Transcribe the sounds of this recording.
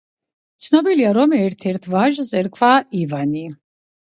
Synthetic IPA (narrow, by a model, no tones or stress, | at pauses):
t̪sʰnɔbiliaɾɔmɛɾt̪ʰɛɾt̪ʰvaʒzɛɾkʰvaivani